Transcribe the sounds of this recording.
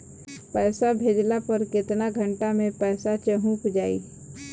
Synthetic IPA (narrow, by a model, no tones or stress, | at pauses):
pɛːsabʱeːd͡ʒlapɐɾkɪt̪naɡʱə̃ɳʈamẽpɛːsat͡ʃəɦũːkd͡ʒaːḭː